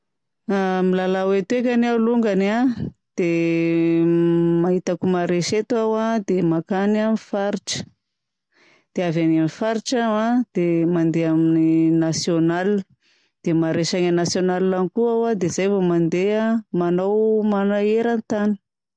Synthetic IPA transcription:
amilalawet̪ek̬ʲanaluŋɡanad̪̥e | maɦit̪akumaɾeʃet̪uawad̪emakananifaɾiʈ͡ʂə̥ | d̪̥eavanamifaɾiʈ͡ʂaad̪̥emand̪eamininasjonal | d̪̥emaɾeʃaŋanasjonallanikuawad̪ezajvomand̪eamanawmanaeɾant̪ani̥

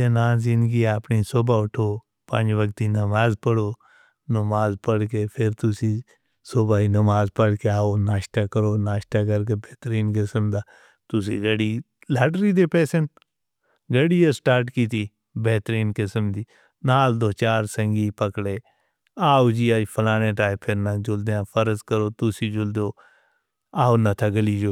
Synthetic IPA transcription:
enaːzɪ̃nd̪ɡiapniːsoːbaːʊʈʰoː | pə̃ɲd͡ʒʋəkt̪iːnəmaːzpəɽoː | nəmaːzpəɽkepʰɪɾt̪ʊsi | soːbaːinəmaːzpəɽkeaːonaːʃt̪akəɾoːnaːʃt̪ak̬əɾk̬ebeːt̪ɾiːnkɪsəmd̪aː | t̪ʊsiːɡəɽiː | laːʈɾiːd̪epɛːsen | ɡəɽiasʈaːɾʈkiːt̪iː | bɛːt̪ɾiːnkɪsəmd̪iː | naːld̪oːt͡ʃaːɾsə̃ŋɡipəkɽeː | aːod͡ʒiːaːipʰəlaːñẽʈaːepʰɪɾnad͡ʒʊld̪eãpʰəɾəzkəɾoːt̪ʊsid͡ʒʊld̪oː | aːonat̪ʰaɡəliːd͡ʒoː

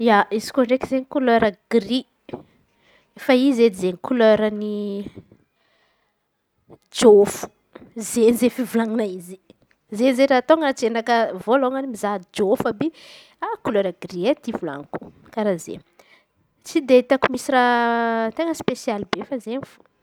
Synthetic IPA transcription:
jaizi̥koɳɖ͡ʐekizeɲikuløɾəɡ̥ri | efaized̪izeɲikuløɾəni | d͡ʒofu̥ | zenizefivulaŋinaizi | zenizeɾaːt̪oŋət͡senakəvoloŋanimizad͡ʒofabe | akuløɾəɡriet̪ivula̰ŋku̥ | kaɾazḛ | t͡sid̪eit̪akumisirat̪eŋəspesialibefazenfu̥

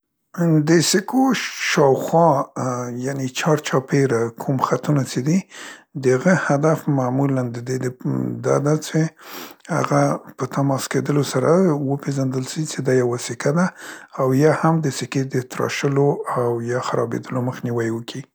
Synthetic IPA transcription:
d̪əsɪkʰoʃɑwxwɑ | janet͡ʃɑɾt͡ʃɑpeɾakʰumxat̪unat͡ʃed̪id̪əhaɣəhad̪afmamuland̪əd̪ed̪əd̪ɑ̰d̪at͡ʃeha̰ɣapət̪amɑsked̪əlosaɾawəpeʒand̪əlʃit͡ʃed̪ɑjawasɪkad̪aːwjɑhamd̪əsɪked̪ət̪ɾɑ̰ʃəloawjɑxaɾɑbḛd̪əloməxniwajwəkʰi

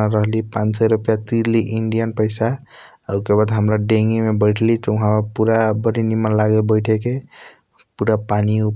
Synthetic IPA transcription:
aɾəɦlipãt͡ʃsɛɾupjat̪iɾliʔiɳɖijənpəɪsa | əukebad̪ɦəmɾaɖeŋɡimebəɪʈʰlit̪ɔuɦãmepuɾabəɾinimənlaɡelbəɪʈʰeke | puɾapaniup

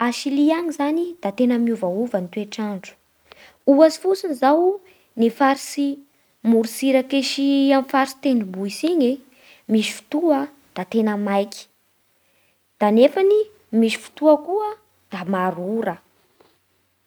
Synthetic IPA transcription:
aʃiliaɲizanid̪̥at̪enəmiuvauvənt̪ueʈ͡ʂaɳɖ͡ʐu̥ | uasi̥fusinizaw | nifaɾisi | muɾusiɾakeʃiamfaɾisi̥t̪enimbuisiɲe | miʃi̥fu̥t̪uə | d̪̥at̪enəmajki̥ | d̪̥anefani | miʃi̥fu̥t̪uəkuə | d̪̥amaɾuɾə

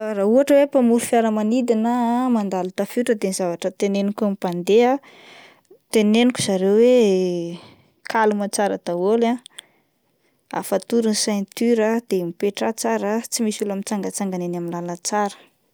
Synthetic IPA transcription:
ɾauaʈ͡ʂəwepamuɾufiaɾəmanid̪inəmand̪alut̪afiʈ͡ʂəd̪enizavaʈ͡ʂət̪enenikʲamipand̪ea | t̪eneniku̥z̥aɾewwe | kʰalumat͡saɾəd̪awola | a̰fat̪uɾinsajnt̪yɾəd̪̥emipeʈ͡ʂat͡saɾət͡simisulamit͡saŋɡət͡saŋɡanenaminlalət͡saɾə̥

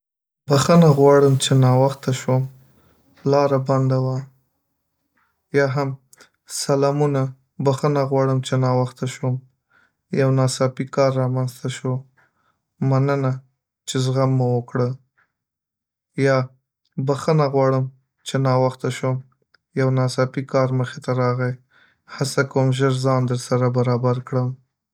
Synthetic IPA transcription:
baxənaɣwɑɽəmt͡ʃenɑwaxt̪aʃwəm | lɑɾaband̪awa | jɑɦam | salɑmuna | baxənaɣwɑɽəmt͡ʃenɑwaxt̪aʃwəm | jawnɑsɑpikɑɾːɑmanzt̪aʃə | manəna | t͡ʃezɣamːʊwəkɽə | jɑ | baxənaɣwɑɽəm | t͡ʃenɑwaxt̪aʃom | jawnɑsɑpikɑɾməxet̪aɾɑɣaj | hasakwəmʒəɾzɑnd̪əɾsaɾabaɾɑbaɾkɽəm

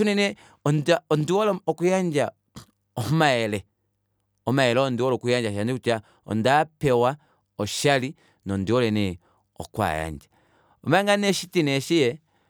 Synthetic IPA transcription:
unɛnɛ | ɔndaɔndiwɔlɔɔkujaɲd͡ʒa | ɔmaɛlɛ | ɔmaɛlɛɔndiwɔlɔkujaɲd͡ʒaʃandikut͡ʃa | ɔ̰ndapɛwa | ɔʃali | nɔndiwɔlɛnɛ | ɔ̰kwa̰ja̰ɲd͡ʒḁ | ɔmaŋɡanɛʃitinɛʃijɛ

